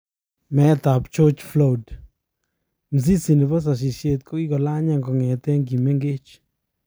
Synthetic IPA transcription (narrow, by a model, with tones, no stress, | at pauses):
mɛ˨˦t̪a˨pt͡ʃo˦t͡ʃflo˦d | m̩˨z̬i˦si˨nɪ˨ba˦s̬a˨ʃ̬i˨ʃje˧˨t̪̚ko˦i˦kɔ˨la˦ɲa˦˨ŋɡɔ˨ŋɛ˨t̪ɛ˦ŋɡi˨mɛ˦ŋɡe˦t͡ʃ